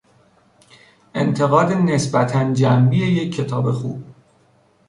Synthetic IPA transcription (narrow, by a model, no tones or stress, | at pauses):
ʔe̞̰nt̪ʰe̞ɣɒːd̪ene̞sbæt̪ʰænd͡ʒæmbije̞je̞cʰːe̞t̪ʰɒːbe̞xṵːb̥